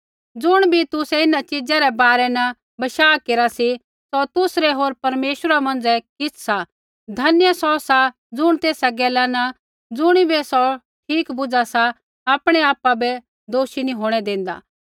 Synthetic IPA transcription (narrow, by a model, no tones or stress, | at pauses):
d͡zʊɽ̃bʱit̪ʊsɛɪnãt͡ʃɪd͡zaɾɛbaːɾɛnɐ | bɐʃaːkeːɾasi | sɔt̪ʊsɾɛɦoːɾpɐɾmeːʃəɾamɐ̃nd͡zɛkɪt͡sʰsa | d̪ʱɐnjəsɔsa | d͡zʊɽ̃t̪eːsaɡɛːlanɐ | d͡zʊɽ̃ibʱɛsɔ | ʈʰiːkbʊd͡zasa | aːpɽ̃ɛaːpabɛ | d̪oːʃinĩɦoːɽ̃ɛd̪ẽːn̆d̪a̰ː